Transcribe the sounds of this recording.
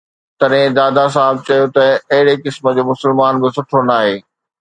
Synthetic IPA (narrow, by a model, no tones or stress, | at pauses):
t̪ɐɗɦɪ̃d̪aːd̪as̬aːɪb̚t͡ɕɐjot̪ɐɐɦɪɽekɪsmə̆d͡ʑoːmʊsɪlmaːnbɪsʊʈʰonaːɦeː